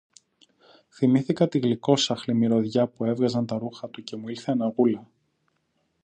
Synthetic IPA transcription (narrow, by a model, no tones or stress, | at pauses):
θimiθikɐt̪iɣliko̞sɐxlimiɾo̞ðʝɐpue̞vɣɐzɐnt̪ɐɾuxɐt̪uce̞muilθeenɐɣulɐ